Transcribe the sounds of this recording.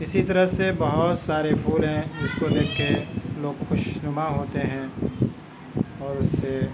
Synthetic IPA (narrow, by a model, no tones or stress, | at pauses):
ɪsit̪ɐɾəɦsebɐɦʊt̪saːɾepʰuːlɦɛ̃ɪskod̪eːkʰeloːɡxʊʃnʊmaɦoːt̪eɦɛ̃ː | ɔːɾʊsːe